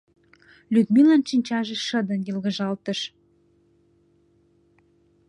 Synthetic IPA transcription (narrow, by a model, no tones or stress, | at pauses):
lyd̪milɑnʃinʲt͡ɕɑʒeʃə̆d̪ə̆njelɣə̆ʒɑlt̪əʃ